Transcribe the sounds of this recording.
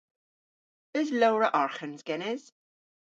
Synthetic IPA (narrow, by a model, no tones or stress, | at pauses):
əzlowɹəʔɔɹχənzɡ̥ɛnɪz̥